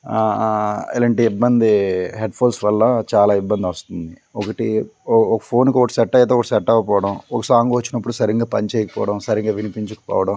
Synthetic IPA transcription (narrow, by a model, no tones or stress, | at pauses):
ḛlɐɳʈiːibːɐnd̪iɦeɖpʰoːlsʋɐlːɐt͡ʃaːlaːibːɐnd̪iʋɐst̪und̪i | ɔkɐʈiɔkɐ̥pʰoːnkiɔkɐʈi̥sɛʈːɐjɐt̪eːɔkɐʈisɛʈːɐkɐpɔːʋɐɽɐmɔkɐsaːŋɡuʋɐt͡ʃːinɐpːuɽusɐɾiŋɡaːpɐnit͡ʃeːjkɐpɔːʋɐɽɐmsɐɾiŋɡaːʋinipiɲt͡ʃukɐ̥pɔ̰ːʋɐɽɐm